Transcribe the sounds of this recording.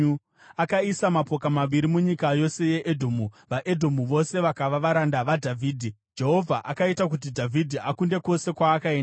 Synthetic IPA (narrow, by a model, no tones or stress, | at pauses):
akaisamapo̞kamaʋiɾimuɲikajo̞se̞je̞ʔedʱomuʋaʔedʱo̞muʋo̞se̞ʋakaʋaʋaɾandaʋadʱavʱiːdʱi | d͡ʒe̞ɦo̞vʱaʔakaitak̬ut̬idʱavʱidʱiakunde̞ko̞se̞kwaːkaen